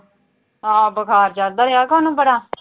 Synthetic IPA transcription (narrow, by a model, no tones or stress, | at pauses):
ɦãːbəkʰaːɾd͡ʒaːɾd̪aːɾeaːkaːnũːbəɽaː